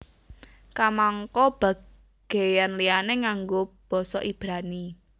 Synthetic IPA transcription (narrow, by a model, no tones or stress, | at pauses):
kamaŋkɔb̥ä̤ | ɡ̥e̤janlianeŋaŋɡo | b̥ɔ̤sɔʔib̥ɾani